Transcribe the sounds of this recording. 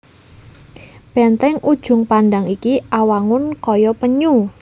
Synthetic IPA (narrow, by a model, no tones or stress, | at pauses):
b̥ɛnt̪ɛŋud̥ʒ̥ʊ̤ŋpanɖaŋikiʔawaŋʊnkɔjɔpəɲu